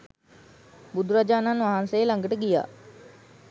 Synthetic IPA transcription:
bud̪uɾad͡ʒaːnanʋaɦansejlaŋɡəʈəɡija̰ː

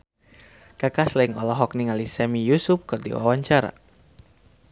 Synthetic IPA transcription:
kakaslɛiŋɔlɔɦɔk̚niŋalisɛmijusup̚kɨrdḭwa̰waɲt͡ʃaɾa̰

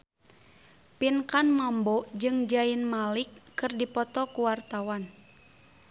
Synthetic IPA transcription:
pinkanmambɔd͡ʒɨŋd͡ʒainmalikːɨrdipɔt̪ɔkuwart̪awan

